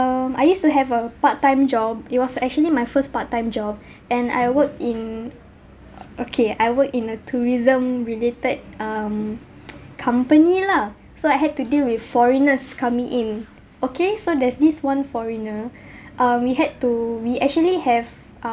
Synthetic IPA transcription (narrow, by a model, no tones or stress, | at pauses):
ama̰jjustuɦɛvəpatːãɪ̃md͡ʒɔb̚it̚wɔsɛk̚t͡ʃuəlimajfəspatːãɪ̃md͡ʒɔb̚ | ʔɛ̃na̰jwək̚tĩn | ʔokʰeajwək̚tĩnətʰuɹizə̃mɹiletəd̚ʌm | kʰãmpənila | soajɦɛd̚tudilwiffɔɹinəskʰamĩŋʔĩn | okʰesodɛsdiswãnfɔɹinə | ʔãmwiɦɛd̚tuwiʔɛk̚t͡ʃuəlihɛv